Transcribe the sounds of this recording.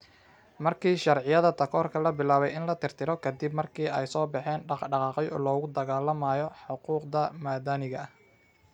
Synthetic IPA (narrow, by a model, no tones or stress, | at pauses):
mɐrkʰiːʃɐrʕɪjɐðɐt̪ʰɐkʰɔːrkʰɐlɐbɪlaːβɛjɪnlɐt̪ʰɪrt̪ʰɪɾɔkʰɐd̪ɪbmɐrkʰiːɛjsɔːbɑħɛːnɖɑɖɑqɑːqɛjɔ̰ːlɔːɣʊd̪ɐɣaːlɐmaːjɔħʊquːqd̪ɐmaːd̪anɪɣɐh